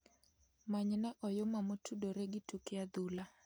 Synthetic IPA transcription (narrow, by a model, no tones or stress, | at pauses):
maɲnaʔɔjʊmamotʰudoɾeɡɪtukɪad̪ula